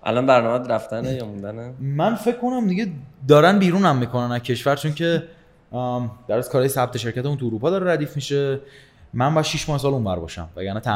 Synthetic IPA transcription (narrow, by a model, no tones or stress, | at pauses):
ʔæ̰lɒnbæɾnɒːmæd̪ɾæft̪ænejɒmũnd̪ænemænfe̞ckʰːo̞næmd̪iɟe̞d̪ɒːɾænbiːɾuːnæmːikʰo̞nænæcʰe̞ʃvæɾt͡ʃʰoncʰe̞ | d̥̪æɾæskʰɒːɾɒːjesæb̚t̪ʰe̞ʃe̞ɾcæt̪emunt̪ʰuːɾuːpʰɒːd̪ɒːɾeɾæd̪iːfmiʃe̞ | mænbɒjæd̪ʃiʃmɒːhesɒːlunvæ̰ɾbɒ̰ːʃæ̰mvæ̰ɡɟæɾnæt̪ʰæ